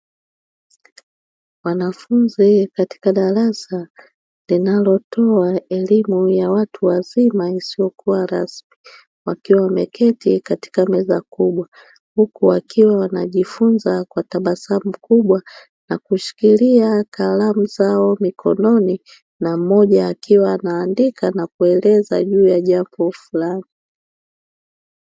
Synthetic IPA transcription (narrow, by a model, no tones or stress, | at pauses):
wanafunzikati̥kaɗaɾasa | linalɔtʰɔaɛlimujawatʰuwazimaisiɔkuwaɾasmi | wakiwamɛkʰɛtikati̥kamɛza̰kuɓwa | hukuakiwawanaʄifunzakwataɓasam̩kuɓwa | nakuʃi̥kiliakalamuzaɔmikʰɔ̰nɔni | nam̩mɔʄaːkiwaːnaːndikʰanakuɛlɛza̰ʄuːjaʄambɔfulani